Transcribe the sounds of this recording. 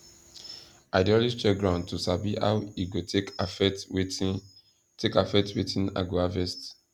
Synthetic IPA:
ʔaɪdiɔlid͡ʒt͡ʃɛɡɹãʊ̃ntusabia̰wiɡoekfɛt | tʰekafɛtwitʰĩna̰ɡoavɛst

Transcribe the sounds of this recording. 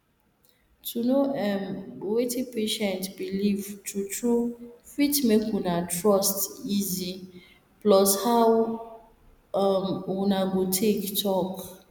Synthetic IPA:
tʰunoɛmɡowetipeʃɛ̃ntbilivtʰutʰɹufitmekwunatʰɹɔstizi | plɔshaw | mwunaɡotʰektʰɔp

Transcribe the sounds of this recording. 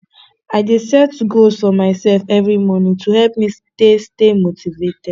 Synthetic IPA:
aɪdisad̚tuɡozfɔmaɪsɛlfɛvɹimɔnĩŋtʰuhɛlp̚mistestemotʰivetɛd̥

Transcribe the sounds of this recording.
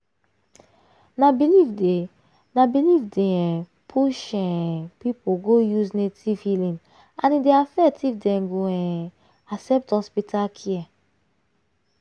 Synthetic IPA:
nabilivde | nabilivdeɛ̃ | pʰuʃɛ̃pipoɡojuznetifilĩn | ãnideafɛk̚tifdɛ̃ɡoɛ̃ | asɛp̚thɔspitʰakʰiɛ

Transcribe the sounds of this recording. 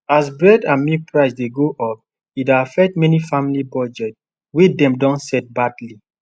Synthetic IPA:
as̬bɹɛdãnmipɹaɪsdeɡoʔɔp̚ | idafɛk̚tmɛnifãmilibɔd͡ʒɛt | wedɛ̃mdɔ̃nsɛt̚badli

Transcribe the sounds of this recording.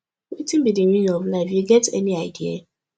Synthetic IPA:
wetɪ̃m̩bidiɾĩnɔvlaɪfjuɡɛtɛniaɪdia̰

